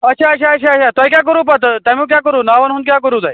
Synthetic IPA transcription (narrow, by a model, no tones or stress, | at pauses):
ətːɕʰaətɕʰaəɕʰaət͡ɕʰat̪ɔikjak̬əɾuːpat̪t̪ãmũːk̬jakəɾũːnaʋənɦũːnd̪k̬ʲjak̬əɾũːd͡zaj